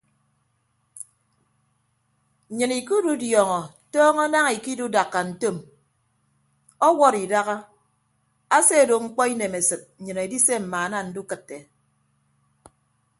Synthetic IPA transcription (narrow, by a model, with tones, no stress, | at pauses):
ɲɨ˨ni˨ku˦du˦djɔ˨ŋɔ˨ | tɔː˦ŋɔ˦na˦ŋi˨ki˦du˦da˨kːa˨n̩˨to˦˨m | ɔ˦wɔ˦ɾi˨da˦ɣa˦ | a˦se˦˨do˨ŋ͡m̩˦k͡pɔ˦i˦ne˨me˨sɨ˨t̩̚˨ɲɨ˨ne˨di˦se˦m̩˨maː˨na˦˨n̩˦du˦kɨ˨tːe˨